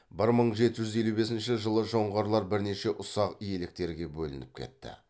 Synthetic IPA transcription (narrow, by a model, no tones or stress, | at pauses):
bɪɾməɴʒe̞t̪ɪʒʏze̞lube̞sɪnʃɪʒəlˠəʒo̞ɴʁɑɾlˠɑɾbɪɾne̞ʃe̞ʔʊsɑqije̞lɪk̚t̪e̞ɾɡʲe̞bɵlɪ̰nɪp̚kʲʰe̞̰t̪ːɪ̰